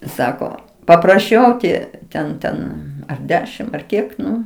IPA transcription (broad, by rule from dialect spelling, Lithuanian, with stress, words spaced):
ˈsɑːkoː pɐprɐˈʃʲɛʊ oː ˈtʲiɛ ˈtʲɛn ˈtʲɛn ɐr ˈdʲæːʃʲɪm ɐr ˈkʲiɛk ˈnʊ